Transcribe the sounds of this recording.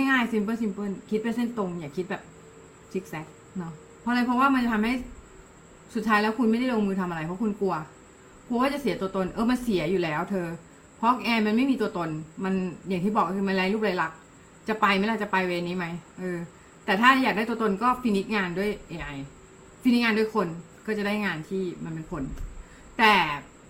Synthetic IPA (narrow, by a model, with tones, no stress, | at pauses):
ŋa˥˩jŋaː˥˩jsi˧mpɤː˥˩si˧mpɤ˥˩nkʰi˦˥pe˧nse˥˩nt̪o˧ŋjaː˨˩kʰi˦t̪̚bɛː˨˩p̚ | sʰi˦˥k̚sɛ˦˥k̚ | nɔ˦˥ | pʰɔ˧˦˥laː˧jpʰɔ˦˥waː˥˩ma˧nt͡ɕa˨t̪ʰa˧ha˥˩j | su˨˩t̪ʰːaː˦˥jlɛː˦˥wkʰu˧nma˥˩jda˥˩lo˧mɯː˧t̪ʰa˧mʔa˧ɾa˧jpʰɔ˦˥kʰu˧nku˧ɐ | pʰwaː˥˩t͡ɕa˨˩si˨˩˦t̪u˧ət̪o˧nʔɤː˧ma˧nsi˨˩˦ɐ˦juː˨˩lɛː˦˥wt̪ʰɤː˧ | pʰɔ˦˥ʔɛː˧ma˧nma˥˩jmiː˧t̪u˧ɐt̪o˧nma˧nja˨˩ŋt̪iː˥˩bɔː˨˩k̚ɔː˥t̪ʰɯː˧ma˧nlɛ˧˥jlu˥˩p̚la˧jla˨˩k̚ | t͡ɕa˨˩pa˧jma˧˥˩jla˧˥˩t͡ɕa˨˩pa˧jweː˧nːiː˦˥ma˦˥jʔɤː˧ | t̪ɛː˨˩t̪ʰaː˥˩jaː˨˩k̚da˥˩t̪u˧ə˧t̪o˧nkɔː˥˩fi˧ni˦˥k̚ŋaː˧ndu˥˩əjʔeː˧ʔa˧j | fi˧ni˦˥k̚ŋaː˧du˥˩˨jkʰo˧n | kɔː˥˩t͡ɕa˨˩da˥˩jŋaː˧nt̪ʰiː˥˩ma˧npe˧nkʰo˧n | t̪ɛː˨˩